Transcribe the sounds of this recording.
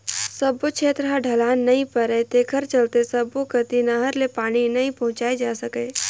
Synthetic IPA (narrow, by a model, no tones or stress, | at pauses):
sɐbot͡ʃʰeːt̪ɾɦaɖʱɐlaːnːɐɦĩpəɾət̪eːkʰəɾt͡ʃɐlt̪esɐbokət̪inɐɦəɾlepaːɽ̃inɐɦĩpɐɦʊ̃t͡ʃaːed͡ʒaːsəkẽː